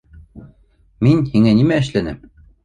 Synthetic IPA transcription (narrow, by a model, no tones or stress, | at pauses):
minhiŋænimæɘ̆ɕlænɘm